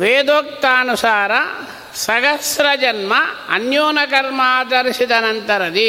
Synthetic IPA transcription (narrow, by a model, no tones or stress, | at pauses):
ʋeːd̪oːk̚t̪aːnusaːɾɐ | sɐɡɐsɾɐd͡ʒɐnmɐɐ̰njoːnɐkɐɾmaːd̪ɐɾiʃid̪ɐnɐnt̪ɐɾɐd̪i